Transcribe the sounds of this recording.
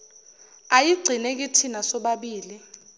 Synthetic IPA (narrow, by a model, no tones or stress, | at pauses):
ajiɡ͡ǀʱinek̬ʼitʰinasɔɓaɓiːli